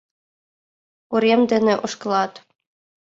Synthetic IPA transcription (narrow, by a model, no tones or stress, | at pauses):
uɾʲemd̪ɘ̆nʲĕʔŏʂkɤ̆lˠɑt̪